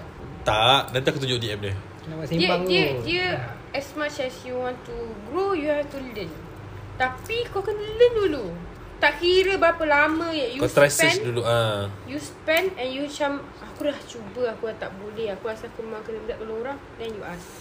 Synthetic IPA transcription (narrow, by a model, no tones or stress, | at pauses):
t̪aʔdɛnt̪iakut̪uɲd͡ʒʊʔdiɛp̚də | naasiibaŋdidiə | ɛsmat͡ʃɛsjuwɔ̃ntuɡɾojuhɛftulən | t̪apikawkənələndulu | t̪aʔkiɾəbapəlamə̃jajukɔst̪ɾasĩsnduluajuspɛ̃nɛnjut͡ʃam | akulaht͡ʃubəakuat̪aʔbolɛhakuasakumemãŋkənəlaʔ̚kəlooɾaŋdɛnjuʔas